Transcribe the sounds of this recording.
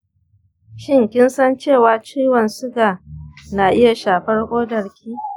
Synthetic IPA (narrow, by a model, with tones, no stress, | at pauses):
ʃɪ˦ŋkʲɪ˦nsɐ˦nt͡ʃeː˦˨waː˨t͡ʃiː˦wɐ˨nsʊ˦ɡaː˨naː˨ʔɪ˦ja˨ʃaː˨ɸɐ˦rkʷʼoː˦dɐ˨ɽkʲʰiː˦